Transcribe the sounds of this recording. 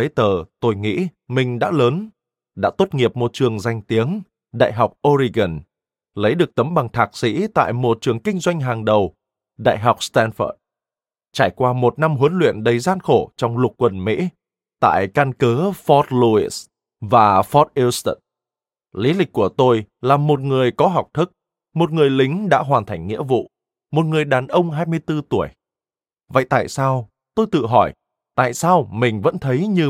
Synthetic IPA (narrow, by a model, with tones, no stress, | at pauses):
ə˨˦jt̪əː˨˩t̪o˧jŋḭ˧˥ | mï˨˩ŋ̟ɗa̰ː˧˥ləː˨˦n | ɗa̰ː˧˥t̪o˦˥t̚ŋi˨˩əp̚mo˨˩t̚t͡ɕɨ˨˩əŋza˧jŋ̟t̪i˨˦əŋ | ɗa̰ː˧˨jɦa˨˩wk͡p̚ʔo˧zi˧ɣə˨˩n | lə˨˦jɗɨ˨˩ək̚t̪ə˨˦mɓa˨˩ŋt̪ʰaː˨˩k̚sḭ˧˥t̪a̰ː˧˨jmo˧˩t͡ɕɨ˨˩əŋkï˧ŋ̟zwa˧jŋ̟ɦaː˨˩ŋɗə˨˩w | ɗa̰ː˧˨jɦa˨˩wk͡p̚st̪a˧nfə̰ː˧˨˩t̚ | t͡ɕaː˧˩jkwaː˧mo˨˩t̚na˧mɦə˨˦nlwḭ˧˨ənɗə˨˩jzaː˧nxo˧˩t͡ɕɔ˧wŋ͡mlʊ˨˩k̚kːwə˨˩nmḭ˧˥ | t̪a̰ː˧˨jka˧nkəː˨˦fɔ˦˥t̚lu˧i˦˥s | vaː˨˩fɔ˦˥t̚ʔi˧st̪ə˧˨˩n | li˨˦lï˨˩k̚kːu˧˩ət̪o˧jlaː˨˩mo˨˩t̚ŋɨ˨˩əjkɔ˨˦ɦa˨˩wk͡p̚t̪ʰɨ˦˥k̚ | mo˨˩t̚ŋɨ˨˩əjlï˨˦ŋ̟ɗa̰ː˧˥ɦwaː˨˩nt̪ʰa˨˩jŋ̟ŋḭ˧˥əvṵ˧˨ | mo˨˩t̚ŋɨ˨˩əjɗaː˨˩nʔə˧wŋ͡mɦaː˧jmɨ˧əjt̪ɨ˧t̪u˧˩əj | və̰˧˨jt̪a̰ː˧˨jsaː˧w | t̪o˧jt̪ɨ̰˧˨ɦɔ˧˩j | t̪a̰ː˧˨jsaː˧wmï˨˩ŋ̟və̰˧˥nt̪ʰə˨˦jɲɨ˧